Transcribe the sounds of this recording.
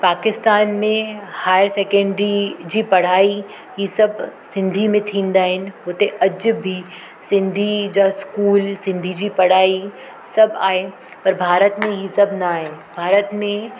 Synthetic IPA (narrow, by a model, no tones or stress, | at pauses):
paːkɪst̪aːnmẽhaːjəɾsɛːkɛ̃ɳɖɾid͡ʑipɐɽ̤aːi | ɦisɐbsɪ̃nd̪ʱimẽt̪ʰĩːnd̪aːɦɪnɪ̆ɦoːt̪eʔɐd͡ʒbʱi | sɪ̃nd̪ʱid͡ʑaskuːlsɪ̃nd̪ʱid͡ʑipɐɽ̤aːi | sɐbaːɦe | pɐɾbʱaːɾət̪mẽɦisɐbnaaːɦe | bʱaːɾət̪mẽ